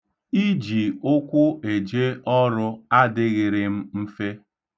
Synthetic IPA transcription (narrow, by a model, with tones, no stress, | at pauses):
i˦d͡ʒi˨ʊ˦kʷʊ˦e˨d͡ʒe˦ʔɔ˦ɾʊ˦a˦dɪ˦ɣɪ˨ɾɪ˨m̩˦m̩˦fe˦